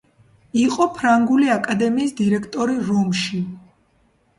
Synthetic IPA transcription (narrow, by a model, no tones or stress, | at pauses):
iqʼɔpʰɾaŋɡuliakʼad̪ɛmiːsd̪iɾɛkʰt̪ʼɔɾiɾɔmʃi